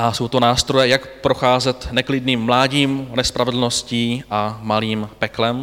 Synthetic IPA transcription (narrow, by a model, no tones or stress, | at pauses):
ʔasowt̪onaːst̪ɾojɛjakpɾoxaːzɛt̪nɛklɪdniːmːlaːɟiːmnɛspɾavɛdl̩no̞sciːʔamaliːmpɛklɛm